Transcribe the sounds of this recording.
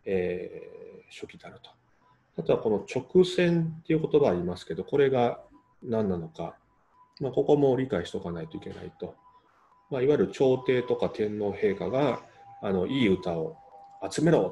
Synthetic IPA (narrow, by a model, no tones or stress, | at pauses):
eː | ɕo̞kʲid̪eaɾɯ̟t̪o̥ | t̪at̪oβako̞not͡ɕo̞kɯ̟sẽ̞nt̪ːe̞iɯ̟ko̞t̪o̞baaɾʲimasɨ̥ke̞d̪o̞ko̞ɾe̞ɡa | nãnːano̞ka̰ | mako̞ko̞mo̞ɾʲikaiɕi̥o̞kanait̪o̞ike̞na̰it̪o̞ | maiβaiɾɯ̟t͡ɕo̞ːt̪e̞ːt̪o̞kat̪ẽ̞nːo̞ːhe̞ːkaɡaːno̞ʔiːɯ̟t̪ao̞at͡sɨme̞ɾo̞ː